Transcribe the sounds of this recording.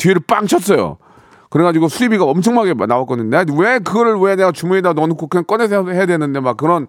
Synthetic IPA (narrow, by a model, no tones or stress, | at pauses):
tiɾɯɭp͈aŋt͡ɕʰʌt̚s͈ʌjo̰ | kɯɾeɡad͡ʑiɡosʰuibiɡaʌmt͡ɕʰʌŋmaɡe̞nawak͈ʌnɯndewekɯɡʌɾɯɭweneɡat͡ɕumuedanʌnukʰokʰɯk͈ʌnesʰɦe̞jadwenɯnde̞mak̚kːɯɾʌn